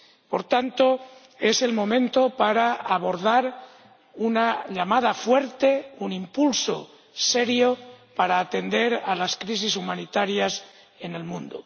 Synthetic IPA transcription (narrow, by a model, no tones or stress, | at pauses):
po̞ɾt̪ant̪o | e̞se̞lmõ̞mẽ̞nt̪o̞paɾaaβo̞ɾð̞aɾ | unaʎamaðafwe̞ɾt̪e̞unimpulso̰ | se̞ɾjopaɾaːt̪e̞nd̪e̞ɾalaskɾis̬isumanit̪aɾjas | e̞ne̞lmũnd̪o̰